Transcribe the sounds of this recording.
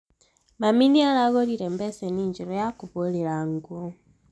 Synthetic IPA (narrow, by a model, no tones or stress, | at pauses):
maminialaɣoliɾembeseniɲd͡ʒiɾojakuβulilaŋɡo